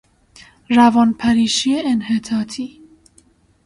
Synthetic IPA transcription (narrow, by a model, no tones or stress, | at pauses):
ɾævɒːnpʰæɾiːʃieenhet̪ʰɑːt̪ʰiː